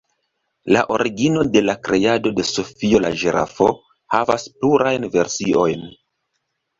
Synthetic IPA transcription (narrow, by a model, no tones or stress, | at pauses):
la̰ʔo̞ɾiɡino̞de̞lakɾʔe̞ado̞de̞so̞fio̞la̰ʒeɾa̰fo̞ | havaspluɾajnve̞ɾsio̞jn